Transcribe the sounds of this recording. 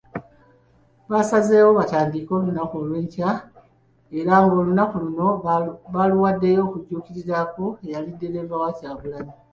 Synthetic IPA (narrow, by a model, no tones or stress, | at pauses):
βasaze̞ːwo̞βataːndiko̞ːlunakolwe̞ːɲca | e̞ɾaŋɡo̞ːlunakuluno̞βaluwadːe̞jo̞ːkuɟuːkiɾizakoe̞jalide̞ɾe̞vawacaːβulani